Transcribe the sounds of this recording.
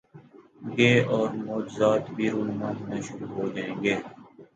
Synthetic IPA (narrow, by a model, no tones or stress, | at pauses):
ɡeːɔːɾmɔːd͡ʒzaːt̪bʱiːɾoːnmãːnmẽːʃʊɾuːɦoːd͡ʒaːẽːŋɡeː